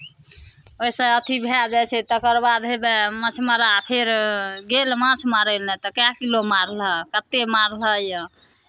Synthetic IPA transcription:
ojsə̃ət̪ʰibʱed͡ʒat͡ʃʰɛt̪ɔkəɾbad̪ɦebemãt͡ʃʰməɾapʰeɾɡelmãt͡ʃʰmaɾəlnɛt̪ɔkakilomaɾləkət̪ːemaɾləjə

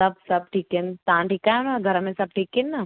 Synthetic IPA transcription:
ɐb̚sɐb̚ʈʰiːkent̪aãʈiːkaːjõnaɡʱɐɾəmẽsɐb̚ʈʰiːkenːa

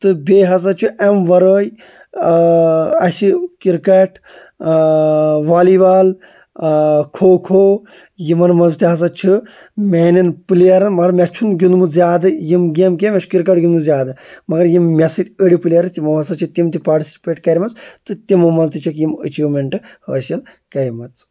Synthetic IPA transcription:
t̪ɨbʲeːɦɐs̬ɐt͡ʃʰiʔɐmʋɐɾoːj | ɐsikiɾkɐʈʰ | ʋaːliʋaːl | kʰoːkʰoː | jimɐnmɐnzt̪iɦɐs̬ɐt͡ʃʰi | mʲeːninpɨlijɐɾɐnmɐɐɾmʲɐt͡ʃʰunɡʲunmɨzʲjaːd̪ɨjimɡʲemk̬ʲemʲɐt͡ʃʰu̥kiɾkɐʈ̚ɡʲunmɨzʲjaːd̪ɨmɐɡɐɾjimmʲɐsɨt̪ʲəɽipɨlijɐɾɐt̪ʲimɐmɐsɐt͡ʃʰit̪imt̪ipaːɾʈisi̥t͡ʃipʲeʈkɐɾʲimɐt͡st̪ɨt̪imɨmɐnzt̪it͡ʃʰikjimə̰t͡ʃiːʋmʲɐɳʈɨhɐʋɐsɐl | kɐɾʲimɐt͡s

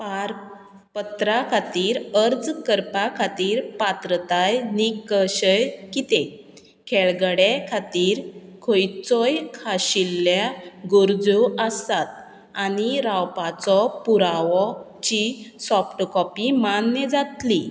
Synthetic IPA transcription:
paɾ | pət̪ɾakʰat̪iːɾəɾd͡zkəɾpakʰat̪iːɾpat̪ɾət̪ajnikəɕəjkit̪ẽ | kʰɛɭɡəɽekʰat̪iːɾkʰojt͡sɔjkʰaɕilːjaɡuɾd͡zoəst̪at̪̚ | aniɾawpat͡sɔpuɾaʋɔ | t͡ɕisɔfʈkɔpimanːjəd͡zat̪li

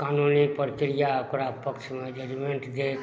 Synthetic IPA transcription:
kaːnunipəɾkɾijaəkɾapəkt͡ʃmed͡ʒeɾimeɳʈd̪ek

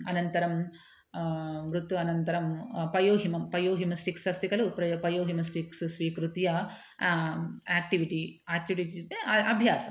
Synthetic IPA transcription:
ɐnɐnt̪ɐɾɐm | ʋɾut̪juɐnɐnt̪ɐɾɐmpɐjoːɦimɐmpɐjoːɦimɐsʈiksɐst̪ikɐlupɐpɐjoːɦimɐs̬ʈikssʋiːkɾut̪ijɐ | aːk̚ʈiʋiʈiaːk̚ʈiʋiʈieɐbʱjaːsɐm

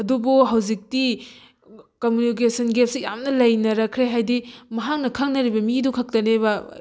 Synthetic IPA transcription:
ɐdubuɦɐwzik̚ti | komjunik̬esʰɐnɡep̚sijamnɐlɐjnɐɾɐkʰɾeɦajdimɐɦak̚nɐkʰɐŋnɐɾibɐmidukʰɐk̚tɐneβɐ

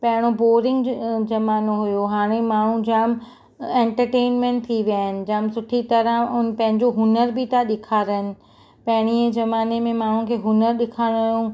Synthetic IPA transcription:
pɐ̃ɦɪɽ̃oboːɾɪ̃ŋɡd͡ʑɐmaːnoɦʊjoɦaːɽ̃emaːɳ̤̃ũd͡ʑaːm | ɛ̃ːɳʈəɾʈeːnmẽɳʈ̚t̪ʰiʋjaːɦɪnɪ̆d͡ʑaːmsʊʈʰit̪ɐɾə̃ʊn̆pɐ̃ɦɪ̃ɲd͡ʑoɦʊnəɾbɪt̪ʰaɗɪkʰaːɾɪnɪ̆ | pɐ̃ɦɪɽ̃ied͡ʑɐmaːnemẽmaːɳ̤ũkʰeːɦʊnəɾɗɪkʰaːɽ̃ojũ

